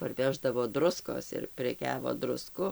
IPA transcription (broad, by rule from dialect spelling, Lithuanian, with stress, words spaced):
pɐrʲˈʋʲæːʒdɐʋoː ˈdrʊskoːs ɪr pʲrʲɛˈkʲæːʋoː drʊˈskʊ